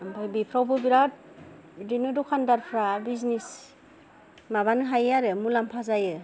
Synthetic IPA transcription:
ampʰajbipʰɾawbɯbiɾat̚ | dinɯdɔkʰandaɾpʰɾabiznis | maβanɯɦajaɾɯmulampʰazajɯ

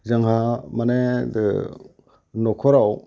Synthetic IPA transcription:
zaŋɦamanedɯ | nɔkʰɔɾaw

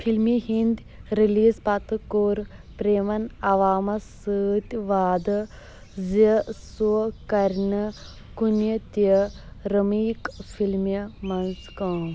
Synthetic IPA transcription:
pfʰilmiɦind̪ | ɾiliːzpat̪ɨkoːɾpɾeːmɐnɐʋaːmɐsəːt̪ʲʋaːd̪ɨ | zəsukɐɾnɐ | kunjɐt̪əɾəmiːkfʰilmjɐmɐnskãː

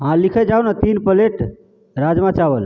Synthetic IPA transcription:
ɦãlikʰɛd͡ʒaɦunat̪inpəleʈ | ɾad͡ʒmãt͡ʃabəl

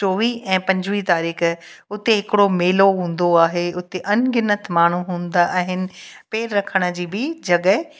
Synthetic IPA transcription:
t͡ɕoːʋiɛ̃ːpɐ̃ɲd͡ʑʋit̪aːɾiːx | ʊt̪eɦɪkɪɽomeːloɦũːn̆d̪oaːɦeʊt̪eʔɐnɡɪnət̪ʰmaːɳ̤uɦũːn̆d̪aʔaɦɪnɪ̆peːɾɾɐkʰəɽ̃ə̆d͡ʑiːbɪd͡ʑɐɠəɪ

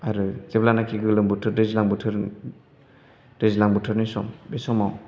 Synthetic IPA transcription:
aɾɯzeblanakʰiɡɯlɯmbutʰɯɾdezilaŋbutʰɯɾ | d̥ezilaŋbutʰɯɾnisɔmbesɔmaw

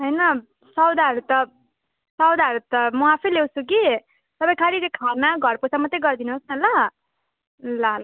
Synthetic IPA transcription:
ɦʌjnʌ | sʌwd̪aɦʌɾut̪ʌ | sʌwd̪aɦʌɾut̪ʌmʌapʰelewt͡sʰuk̬i | sʌbʌj̃kʰaɾit͡sekʰamaɡʱʌrposʰamʌt̪ejɡʌrd̪inuɦosnʌlʌ | laɦla

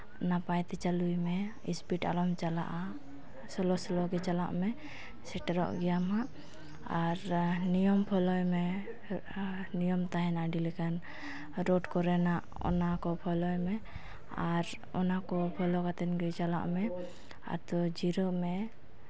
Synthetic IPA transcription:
napajt̪ɛt͡ʃalujmɛ | ḭspiʈa̰lɔmt͡ʃala̰ʔa | sɔlɔsɔlɔɡɛt͡ʃala̰ʔmɛ | sɛʈɛɾɔ̰ʔɡɛjamɦaʔ | aɾnijɔmpʰɔlɔjmɛ | nijɔmt̪aɦɛnaɖilɛkan | ɾɔɖkɔɾɛnaʔ | ɔ̰nakɔpʰɔlɔjmɛ | aɾ | ɔnakɔpʰɔlɔkat̪ɛnɡɛt͡ʃala̰ʔmɛ | a̰t̪ɔd͡ʒiɾɔmɛ

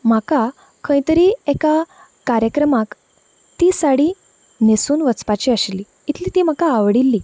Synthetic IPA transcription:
m̤aka | kʰə̃jt̪əɾieka | kaɾjəkɾəmak | t̪isaɽi | nesuːnʋət͡spat͡ɕiːəɕli | it̪ʰliːt̪iːm̤akaːʋɽilːiː

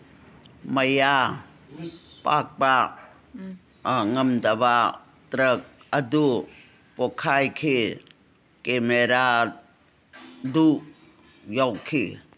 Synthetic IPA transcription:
məja | pa̰k̚pa | ŋəmdɐba | tɾək̚ədu | pɔkʰajkʰi | kemeɾa | duʔ | jawkʰi

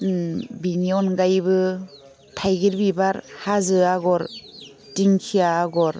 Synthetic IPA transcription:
biniɔnɡajbɯ | tʰajɡiɾbibaɾhazɯaɡɔɾ | tiŋkʰijaːɡɔɾ

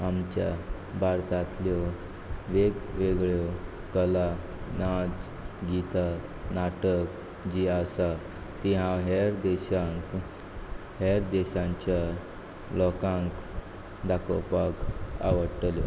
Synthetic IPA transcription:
amt͡ɕja̰ | bʱaɾt̪at̪ljɔ | ʋeɡʋeɡɭjɔ | kəla | nat͡s | ɡit̪a | naʈək | d͡ʑiasa | t̪iɦãɦeɾd̪ɛɕãk | ɦeɾd̪eɕãɲt͡ɕja | lɔkãŋk | d̪akɔ̰paka̰ʋəɽʈljɔ

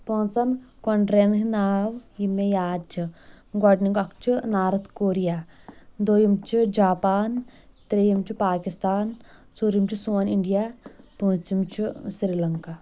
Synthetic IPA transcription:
põːnsɐnkɐɳɖɾeːnɦinaːwjimːejaːd͡ʒɨ | ɡɔɖniŋɡɐkt͡ʃinaːɾɐt̪koːɾijaːd̪oːjimt͡ʃid͡ʒaːpaːn | t̪ɾejimt͡ʃipaːkist̪aːnt͡soːɾjimt͡ʃisuːɐniɳɖijaːput͡simt͡ʃʰisɾiːlɐŋka

